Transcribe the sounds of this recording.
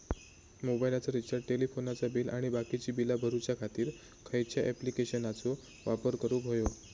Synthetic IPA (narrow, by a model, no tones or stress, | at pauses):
mobailat͡səɾit͡ɕəɾɖʈelifʰonat͡sabiːlaɽ̃ibakit͡ɕiːbilabʱəɾut͡ɕjakʰat̪iːɾ | kʰəjt͡ɕjaʔɛplikeɕənat͡so | ʋapəɾkəɾubʱojo